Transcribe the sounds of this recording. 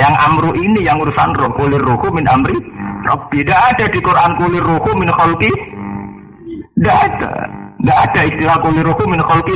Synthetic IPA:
jaŋʔa̰mɾuʔinijaŋuɾusanɾɔʔkolɪruhumɪnamɾirɔ̰bidaʔad̥adikoɾʔankolɪrohumɪnxɔlk̪i | daʔad̥a̰ŋɡaʔad̥aist̪ilakolɪrohumɪnxɔlki

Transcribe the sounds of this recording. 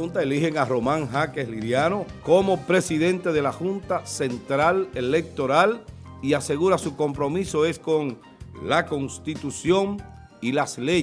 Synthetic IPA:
unt̪aelihe̞ŋaro̞mãŋɦakesliðjanoko̞mo̞pɾe̞siðe̞nt̪e̞ðe̞laxunt̪ase̞nt̪ɾalele̞k̚t̪o̞ɾal | iase̞ɣuɾasuko̞mpɾo̞miso̞e̞sko̞ŋ | lako̞ŋst̪it̪usjo̞ŋ | ilasle

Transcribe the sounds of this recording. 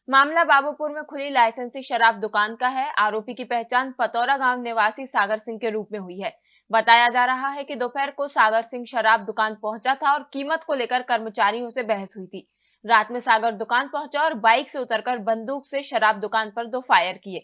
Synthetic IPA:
maːmlabaːbopʊɾmẽkʰʊlilaːɪsə̃nsiʃɐɾaːb̚d̪ʊkaːnkaɦɛaːɾoːpikipɛɦt͡ʃaːnpɐt̪ɔːɾaɡaːmnɪʋaːsisaːɡəɾsɪ̃ŋɡ̚keɾuːpmẽɦʊiɦɛː | bɐt̪aːjad͡ʒaːɾɐɦaɦɛkid̪oːfɛːɾkosaːɡəɾsɪ̃ŋɡʃɐɾaːb̚d̪ʊkaːnpɐɦʊ̃t͡ʃat̪ʰaɔːɾkiːmət̪koleːkəɾkɐɾmət͡ʃaːɾijõsebɛɦəsɦʊit̪ʰiː | ɾaːt̪mẽsaːɡəɾd̪ʊkaːnpɐɦʊ̃t͡ʃaɔːɾbaːɪkseʊt̪əɾkɐɾbɐ̃nd̪uːkseʃɐɾaːb̚d̪ʊkaːnpɐɾd̪oːfaːjəɾkieː

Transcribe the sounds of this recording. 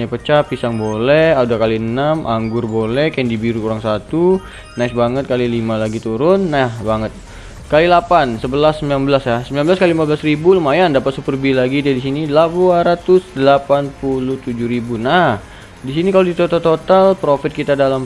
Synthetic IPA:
ɲapət͡ʃapisaŋbolɛhadakaliənamʔaŋɡʊrbolɛhkajəŋdibiɾukuɾaŋsat̪u | naɪsbaŋət̪̚kalilimalaɡit̪uɾʊnːabaŋət̪̚ | kalilapansəbəlasːəmbilanbəlasjasəmbilanbəlaskalilimabəlasribuləmajandapat̪supərbilaɡidadisinilabuaɾat̪ʊsdəlapanpulut̪ud͡ʒʊhɾibuna | disinikalodit̪ot̪at̪ot̪alpɾofɪt̪̚kit̪adalam

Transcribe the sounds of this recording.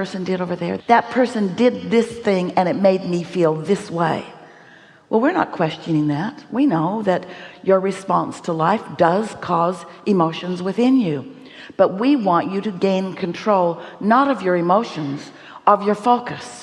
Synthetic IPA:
ɜ˞sɨ̃n̩dɨɾoʊvə˞ðə̰˞ðɨt̚pʰɜ˞sɨ̃ndɪd̪̚ðɪsθɪ̃ŋɨ̃ñɨt̚meɪd̚mifilˠðɪsweɪ | wʔɛlˠwɪɹnə̰t̚kʰw̥ɛst͡ʃɨnɪ̃ŋðæt̚winoʊðɨt͡ʃə˞ɹɨspɑ̃nstʰəlaɪfd̥ʌz̥kʰɔzʔɨmoʊʃɨ̃nzwɨθɪ̃njʉ | b̥ʌt̚wiwɑ̃nt͡ʃɨɾɨɡẽɪ̃nkʰɨ̃n̩tʰɹ̥oʊlˠnəɾʌvjə˞ɨmoʊʃɨ̃nz̥ | ʔʌvjə˞foʊkɨs

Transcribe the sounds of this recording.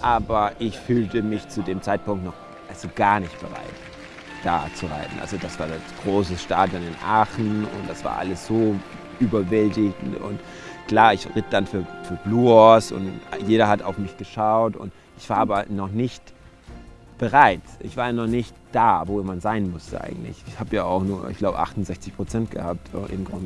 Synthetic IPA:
ʔaːbɐʔɪçfyːltəmɪçt͡sudeːmt͡saɪt̚pʊŋk̚tnɔχ | ʔalzoɡ̥aːɐnɪçt̚b̥əʁa̰ɪt | d̥a̰ːt͡suʁa̰ɪtn̩ʔa̰lzod̥asv̥aːɐja̰t͡sɡ̥ʁoːsəsʃtaːdjɔnɪnʔaːxn̩ʊ̰nt̚d̥asv̥a̰ːɐʔa̰ləsz̥oː | ʔyːbɐvɛltɪɡŋ̩tʊ̰nt | kl̥aːɐɪçʁɪt̚d̥anfyːɐfyːɐbluːɔsʊ̰ntjeːɾɐhata̰ʊfmɪçɡ̥əʃaʊtʊ̰nt | ʔɪçv̥aːɐʔaːbɐnɔχnɪçt | b̥əʁaɪtʔɪ̰çv̥aːɐjanɔχnɪçtd̥aːvoːemanz̥aɪnmʊstə̰ʔa̰ɪɡŋ̩tlɪ̰çɪçhaːbəjaːaʊxnuːɐʔɪ̰çɡ̥laʊbəʔa̰χtʊnzɛçt͡sɪçpʁ̥ot͡sɛnt̚ɡ̥əhaːp̚tʰɛ̰ʔɪ̰mɡʁʊnd

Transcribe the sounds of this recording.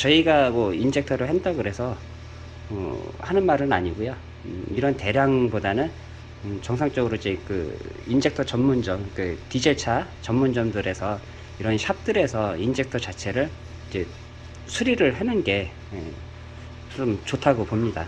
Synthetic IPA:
t͡ɕʌiɡamʌind͡ʑe̞k̚tʰʌɾɯɭɦendaɡɯɾe̞sʰʌ | ʌ̰hanɯnmaɾɯna̰ɲiɡojo | iɾʌnte̞ɾjaŋbodanɯn | t͡ɕʌŋsʰaŋt͡ɕ͈ʌɡɯɾoid͡ʑe̞kɯ̰insʰe̞k̚tʰʌt͡ɕʌmːund͡ʑʌmkɯtid͡ʑeɭt͡ɕʰat͡ɕʌmːund͡ʑʌmdɯɾe̞sʰʌ | iɾʌnɕʰap̚t͈ɯɾe̞sʰʌind͡ʑe̞k̚tʰʌt͡ɕat͡ɕʰe̞ɾɯɭ | id͡ʑe | sʰuɾiɾɯɭɦenɯnɡe̞ | ḛ | t͡ɕomt͡ɕotʰaɡopomɲida̰

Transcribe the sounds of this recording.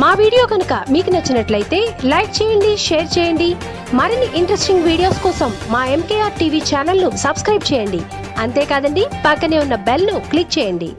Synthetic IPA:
maːʋiːɽijo̞ːkɐnukɐmiːkunɐt͡ʃːɐnɐʈlɐjit̪e̞ːlɐjk̚t͡ʃɛːjɐɳɖiʃeːɾt͡ʃɛːjɐɳɖi | mɐɾinːiʔiɳʈɾesʈiŋɡʋiːɽijo̞ːskɔːsɐmːaːe̞mkeːjaːɾʈiːʋiːt͡ʃaːnɐlnusɐbskɾɐjb̚t͡ʃɛːjɐɳɖḭ | ɐnt̪e̞ːkaːd̪ɐɳɖipɐkːɐne̞ːunːɐbelnuklik̚t͡ʃɛːjɐɳɖḭ

